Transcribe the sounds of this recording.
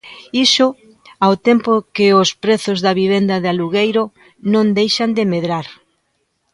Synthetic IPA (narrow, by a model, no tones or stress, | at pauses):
isʊ | awt̪empokɪʊspɾeθʊzðɐβiβ̞end̪ɐðaluɣejɾʊ | nõnd̪ejʃɐnd̪ɪmeðɾaɾ